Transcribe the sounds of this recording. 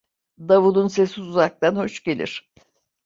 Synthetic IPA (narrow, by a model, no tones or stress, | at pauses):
d̪avulˠunse̞siuzak̚t̪anho̞ʃɟe̞lʲḭɾ̝̥